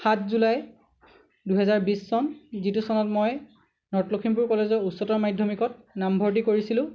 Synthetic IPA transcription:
xatʰzulaj | duɦɛzaɹbisːɔnzitusɔnɔtmɔj | nɔɹtlokʰimpuɹkɔlezɔusɔtɔɹmajdʱɔmikɔt̚nambʱɔɹt̬ikoɹisilʊ̃

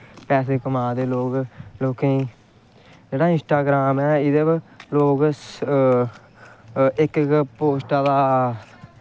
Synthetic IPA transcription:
pɛːs̬eːkəmaːd̪eːloːɡloːkẽː | d͡ʒeːɽaːɪ̃nsʈaːɡɾaːmɛːɪd̪əbloːɡs | ɪkpoːsʈaːd̪aː

